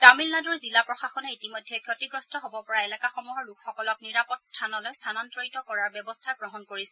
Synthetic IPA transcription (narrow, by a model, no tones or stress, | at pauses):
tamilnadɔɹzilapɹɔxaxɔnɛitimɔjdʱːɛkʰjɔtiɡɹɔstɔɦobɔpɔɹaelakaxɔmuɦɔɹlukxɔkɔlɔk̚niɹapɔtstʰanɔlojstʰanɔntɹojtɔkɔɹaɹbɛbɔstʰaɡɹɔɦɔnkoɹisɛ